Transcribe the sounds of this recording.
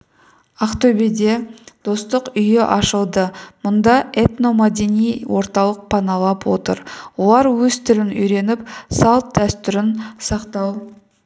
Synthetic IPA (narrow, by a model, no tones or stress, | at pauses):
ɑqt̪ɵbid̪e̞d̪̥o̞st̪əqʏjɪʔɑʃəlˠd̪əmʊnd̪ɑʔe̞t̪no̞mɑd̪enijwo̞ɾt̪ɑlˠəq̚pʰɑnɑlˠɑpwo̞t̪ə̰ɾwo̞lˠɑɾwɵzt̪ʰɪɾɪnʏjɾe̞nɪpsɑlˠt̪̚d̪æst̪ʏɾɪnsɑqt̪ɑw